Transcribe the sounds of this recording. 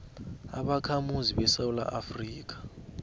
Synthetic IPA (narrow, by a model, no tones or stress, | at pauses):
a̰ɓakʰamuziɓɛsawula̰ʔafriːk̬ḁ